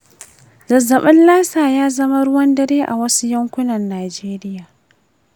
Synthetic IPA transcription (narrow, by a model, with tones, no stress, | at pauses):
zɐ˨zɐ˨ɓɐ˦nlaː˦saː˨jaː˦zɐ˦ma˦ɽʊ˦wɐ˦ndɐ˦ɾeː˦ʔa̰˨wɐ˦su˦jɐ˦ŋkʷʊ˦nɐ˨nːaː˨d͡ʒeː˦ɾɪ˦jaː˨